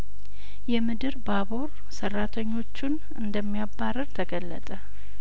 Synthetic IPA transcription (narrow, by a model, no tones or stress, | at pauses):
jɛmɨd̪ɨɾbabo̞ɾ | sərːat̪ʰəɲːo̞t͡ʃːun | ɨnd̪əmːijabːaɾəɾt̪ʰəɡəlːə̰t̪ʼə